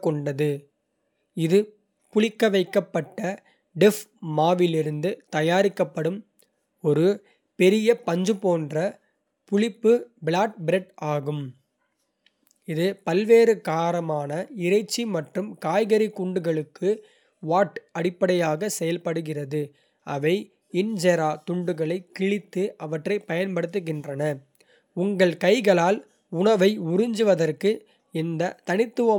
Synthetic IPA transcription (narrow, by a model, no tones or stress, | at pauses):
kːɔɳɖɐðɯ | ɪðɯ | pʊɭɪkːɐʋɐɪkːɐpːɐʈːɐ | ɖɛfmaːʋɪlɪɾɯnd̪ɯt̪ɐjaːɾɪkːɐpːɐɽɯm | ɔɾɯ | pɛɾɪjɐpɐɲd͡ʒɯpoːndrɐ | pʊɭɪpːɯbɭaːʈ̚bɪɾɛʈaːɣɯm | ɪðɯpɐlʋeːɾɯkaːɾɐmaːnɐɪɾɐɪt͡ʃːimɐʈrɯmkaːjɣɐɾikʊɳɖɯɣɐɭɯkːɯ | ʋaːʈɐɽɪpːɐɽɐjaːɣɐsɛjɐlpɐɽɯɣɪrɐðɯ | ʔɐ̰ʋɐɪ | ɪnd͡ʒɐɾaːt̪ʊɳɖɯɣɐɭɐɪkːɪɭɪt̪ːɯʔɐʋɐʈrɐɪpɐjɐnpɐɽɯt̪ːɯɣɪndrɐnɐ | ʊŋɡɐɭkɐɪɣɐɭaːl | ʊɳɐʋɐɪʊɾɪɲd͡ʒɯʋɐðɐrkɯ | ɪnd̪ɐt̪ɐnɪt̪ːɯʋɐ